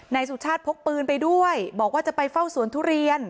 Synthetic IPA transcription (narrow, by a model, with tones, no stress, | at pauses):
na˧jsu˨˩t͡ɕʰaː˥˩t̪̚pʰo˦˥k̚pɯː˧npa˧jdu˥˩əjbɔː˨˩k̚waː˥˩t͡ɕa˨˩pa˧jfa˥˩wsu˨˩˦nt̪ʰuː˦˥ɾi˧ən